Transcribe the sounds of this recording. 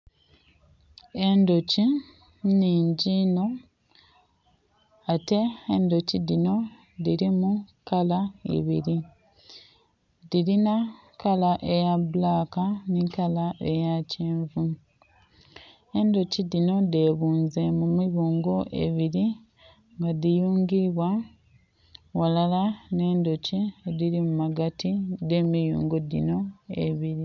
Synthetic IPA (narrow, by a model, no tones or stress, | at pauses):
e̞ndo̞ci | niːɲɟino̞ | ate̞ːndo̞cidino̞ | diɾimukalaḛβiɾi | ðiɾina | kalaʔejaβlaːkanikalaʔe̞jaceːɱvu | e̞ndo̞cidino̞de̞βuːnze̞mumiβuːŋɡo̞ʔe̞̰βiɾi | ŋɡadijuːŋɡiβwa | walalane̞ːndo̞cieðiɾimumaɡatide̞mijṵːŋɡo̞dḭno̞ḛβiɾi